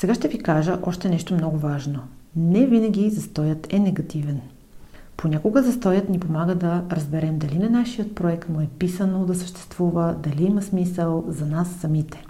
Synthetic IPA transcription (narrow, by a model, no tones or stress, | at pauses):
sɛɡaʃt̪ɛvikaʒəʔɔʃt̪ɛnɛʃt̪omnɔɡʊvaʒno | nɛvinəɡʲizɐst̪ɔjət̪ɛnɛɡɐt̪ivɛn | ponʲakoɡəzɐst̪ɔjət̪nipomaɡəd̪ɐɾɐzbɛɾɛmd̪ɐlinɛnaʃijət̪̚pɾoɛkt̪mʊɛpisənod̪ɐsə̥ʃt̪ɛ̥st̪v̥uvəd̪ɐliiməsmisəlˠzɐnasːɐmit̪ɛ̥